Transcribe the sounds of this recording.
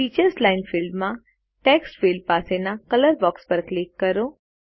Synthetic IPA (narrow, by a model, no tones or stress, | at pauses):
it͡ʃəɾslaɪnfɪlɖmã | ʈeksʈfilɖ̚pasenakələɾbɔkspəɾklɪkːəɾo